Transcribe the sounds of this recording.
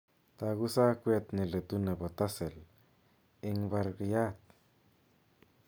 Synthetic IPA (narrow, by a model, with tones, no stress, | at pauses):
t̪a˧ɡu˦sa˦kʷe˧t̪ni˨le˨t̪u˧ne˨bo˨t̪a˦se˨l | e˧ŋba˧ɾɡja˦t̪